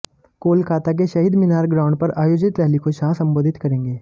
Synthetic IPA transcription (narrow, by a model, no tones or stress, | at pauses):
koːlkaːt̪ak̬eʃɐɦiːd̪mɪnaːɾɡɾãːʊɳɖ̚pɐɾaːjoːd͡ʒɪt̪ɾɛɦlikoʃaːsɐ̃mboːd̪ʱɪt̪kɐɾẽːŋɡeː